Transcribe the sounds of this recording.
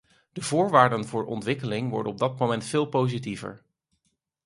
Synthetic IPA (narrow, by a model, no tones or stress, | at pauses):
d̥əvʊːɹʋaːɹdənvʊːɹʔɔ̰ntʋɪkəlɪŋʋɔ̰ɹdənɔb̚dɑt̚momɛntfɪːlˠpowzitivə̰ɹ